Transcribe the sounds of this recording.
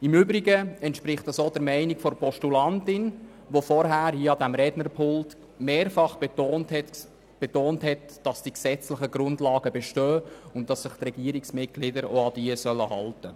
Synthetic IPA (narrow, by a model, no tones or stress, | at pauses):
ɪmʏbɾiɡəɛntʃpɾɪχtɑsoːdɛɾmɛɪnɪkfɔrpɔʃtulɑntɪn | ʋofɔɾɦæːɾhiəɑdæmɾɛdnəɾpʰʊlt | meːɾfɑχb̥ontɛt | b̥ɛtoːnthɛt | d̥ɑsd̥iksɛt͡slɪχəɡɾʊndlɑːɡəbɛʃtœːʊntdɑsːəχtrɛɡiːəɾɪksmɪt̚ɡ̥lɪdəɾoɑd̥iəsœlːəhɑltə